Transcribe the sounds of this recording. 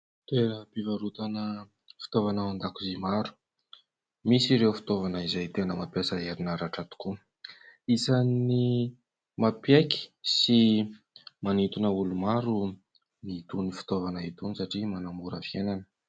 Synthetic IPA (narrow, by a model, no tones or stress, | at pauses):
t̪enəpivaɾut̪anə | fi̥t̪ovanaand̪akuzimaɾu̥ | misiɾewfi̥t̪ovanəizajt̪enəmapjasaeɾinaɾaʈ͡ʂat̪u̥ku | izani | mapjeki̥si | manit̪unəulumaɾu | niit̪unifi̥t̪ovanəit̪unisaʈ͡ʂimanamuɾəfienanə̥